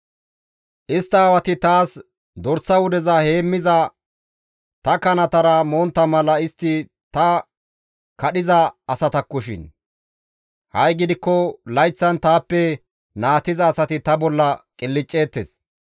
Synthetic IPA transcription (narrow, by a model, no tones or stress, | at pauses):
ʔɪst̪ːɐːwɐt̪ɪt̪aːs | d̪ɔɾsːɐwʊd̪ɛzɐhe̞ːmːɪzɐ | t̪ɐkɐnɐt̪ɐɾɐmoːnt̪ːɐmɐlɐɪst̪ːɪ | t̪ɐ | kɐɗɪzɐːsɐt̪ɐkːɔʃɪ̰n | hɐjɡɪd̪ɪkːɔlɐjt͡sːɐnt̪aːpːɛ | naːt̪ɪzɐːsɐt̪ɪt̪ɐbɔlːɐkʼɪlːɪt͡ʃʼːe̞ːt̪ːḛs